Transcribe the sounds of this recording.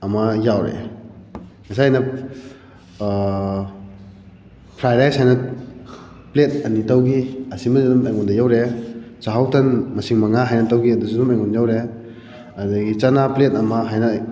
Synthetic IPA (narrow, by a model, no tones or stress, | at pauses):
ɐmɐjawɾḛ | ŋɐsajnɐ | pʰɾajlajshajnɐ | plet̚ɐnitawɡiɐsimɐzidumajŋɔndɐjawɾesaɦawtɐnmɐsiŋmɐŋaɦajnɐtawɡiɐduzidumajŋunjawɾe | ɐdɐɡit͡ʃanaplet̚ɐmɐɦajnɐ